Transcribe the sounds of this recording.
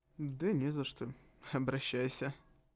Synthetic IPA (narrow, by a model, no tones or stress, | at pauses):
d̪ɨnʲɛzɐʂt̪oɐbɾɐɕːæjsʲə